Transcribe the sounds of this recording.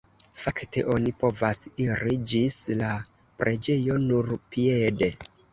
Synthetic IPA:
fakte̞̰ʔo̞nipo̞vasiɾid͡ʒisla | pɾʔe̞d͡ʒe̞jo̞nuɾpiede̞

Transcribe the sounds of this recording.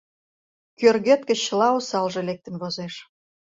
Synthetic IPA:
kørɣøt̪̚kə̆t͡ɕəlɑusɑlʒĕlek̚t̪ə̆nβozeʃ

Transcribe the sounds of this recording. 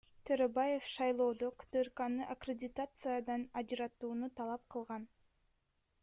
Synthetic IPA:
t̪ʰøɾebaje̞fʃɑjlˠo̞ːd̪okd̪ɨrkɑnɯʔakrʲɪdʲɪt̪at̪sɨjad̪ɑnɑd͡ʒɯɾɑt̪uːnut̪ɑlˠɑp̚qʰɯlˠʁɑn

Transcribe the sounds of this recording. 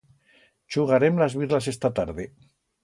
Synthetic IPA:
t͡ʃuɣaɾemlazβiɾlasest̪at̪aɾðe

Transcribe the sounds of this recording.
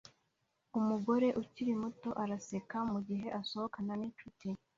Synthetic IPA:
umuɡo̞ɾe̞ʔuciɾimuto̞ʔaɾase̞kamuɟiɦe̞ʔaso̞hokananit͡ʃuti

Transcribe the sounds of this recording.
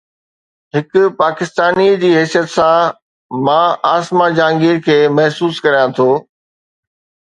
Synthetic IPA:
ɦɪkʊpaːkɪst̪aːnid͡ʑiːɦɛːsijət̪sã | mãːaːsmãd͡ʑãːŋɡiːɾkʰeːmɐɦsuːskɐɾijãt̪ʰoː

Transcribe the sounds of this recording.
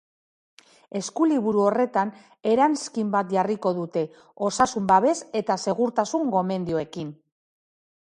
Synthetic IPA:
e̞skuliβuɾuo̞re̞t̪an | e̞ɾanskimbat̪ʝariko̞ðut̪e̞ | o̞sasumbaβe̞se̞t̪ase̞ɣ̞uɾt̪asuŋɡo̞me̞nd̪ioe̞kin

